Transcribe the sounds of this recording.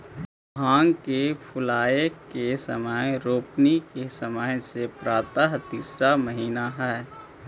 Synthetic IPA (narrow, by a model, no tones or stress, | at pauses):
bʱãːŋɡkepʰʊlaːekesəməjɾoːpnikesəməjsepɾaːt̪əɦt̪iːsɾaməɦiːnaɦɛː